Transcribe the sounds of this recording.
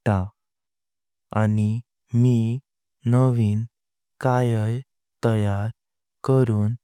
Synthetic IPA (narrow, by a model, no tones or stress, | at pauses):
t̪a | ani | mi | nəʋiːn | kajəj | t̪əjaɾ | kəɾuːn